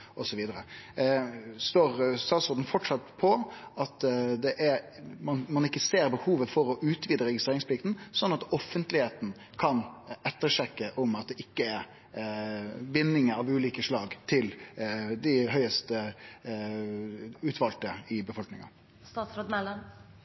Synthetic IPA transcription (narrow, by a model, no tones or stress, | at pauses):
ʔɔsɔʋiːd̪əɾə | st̪oːɾst̪ɑːt̪sɔɾd̪ən̩fɔʈʂɑt̪pʰɔɑt̪d̪ɛʔæɾmɑnmɑnɪkːəseːɾbəhuːʋəfɔɾɔʔʉːt̪ʰʋiːd̪əɾɛɡɪst̪ɾeːɾɪŋspʰlɪkt̪n̩sɔnːɑt̪ɔfːənt̪lɪheːt̪n̩ | kʰɑnɛt̪ːəɾʂɛkːəʔɔmɑt̪̚d̪ɛʔɪkːəɛɾ | bɪnːɪŋəɑʋʉːliːkəʂlɑːɡt̪ʰɪld̪ɪɦœʏəst̪ə | ʉːt̪ʰʋɑlt̪əɪbəfɔlknɪŋɑ̰ | st̪ɑt̪sɾoːd̪ɛl